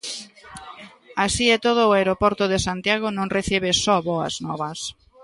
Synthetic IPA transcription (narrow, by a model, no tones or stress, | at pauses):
asiet̪oð̞oːaeɾopɔɾt̪oðesant̪jaɣ̞onõŋreθiβ̞esɔβoɐ̰znɔβɐs